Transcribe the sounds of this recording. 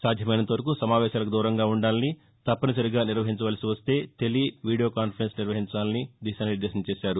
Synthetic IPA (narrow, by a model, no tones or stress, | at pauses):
saːd̪ʱjɐmɐjnɐt̪oʋɐɾɐkusɐmaːʋɛːʃaːlɐk̬ud̪uːɾɐŋɡaːuɳɖaːlɐni | t̪ɐpːɐnis̬ɐɾiɡaːniɾʋɐɦiɲt͡ʃɐʋaːlɐsiʋɐst̪e̞ːt̪e̞liʋiːɽijo̞ːkaːnpʰɐɾensniɾʋɐɦiɲt͡ʃaːlɐnid̪isaniɾd̪eːʃɐnɐt͡ʃeːʃaːɾu